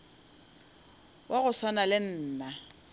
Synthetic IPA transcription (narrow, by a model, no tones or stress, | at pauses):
wʔaɣʊswanalɪn̩ːna